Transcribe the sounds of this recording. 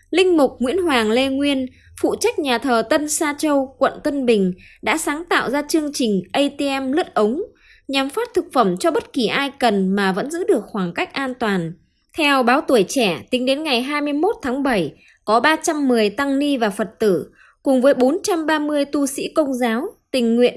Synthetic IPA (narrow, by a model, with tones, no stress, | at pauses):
lï˧ŋ̟mʊ˨˩k͡p̚ŋwḭ˧˥ənɦwaː˨˩ŋle˧ŋwi˧ən | fṵ˧˨t͡ɕa˦˥jk̟̚ɲaː˨˩t̪ʰəː˨˩t̪ə˧nsaː˧t͡ɕə˧wkwə̰˧˨nt̪ə˧nɓï˨˩ŋ̟ɗa̰ː˧˥saː˨˦ŋt̪a̰ː˧˨wzaː˧t͡ɕɨ˧əŋt͡ɕï˨˩ŋ̟ʔə˧jt̪e˧ʔɛ˧mlɨ˦˥t̚ʔə˨˦wŋ͡m | ɲa˨˩mfaː˦˥t̚t̪ʰɨ˨˩k̚fə˧˩mt͡ɕɔ˧ɓə˦˥t̚ki˨˩ʔaː˧jkə˨˩nmaː˨˩və̰˧˥nzɨ̰˧˥ɗɨ˨˩ək̚xwaː˧˩ŋka˦˥jk̟̚ʔaː˧nt̪waː˨˩n | t̪ʰɛ˧wɓaː˨˦wt̪u˧˩əjt͡ɕɛ˧˩t̪ï˨˦ŋ̟ɗe˨˦nŋa˨˩jɦaː˧jmɨ˧əjmo˦˥t̚t̪ʰaː˨˦ŋɓə˧˩j | kɔ˨˦ɓaː˧t͡ɕa˧mːɨ˨˩əjt̪a˧ŋni˧vaː˨˩fə˨˩t̚t̪ɨ˧˩ | kʊ˨˩ŋ͡mvəː˨˦jɓo˨˦nt͡ɕa˧mɓaː˧mɨ˧əjt̪u˧sḭ˧˥kə˧wŋ͡mzaː˨˦wt̪ï˨˩ŋ̟ŋwḭ˧˨ən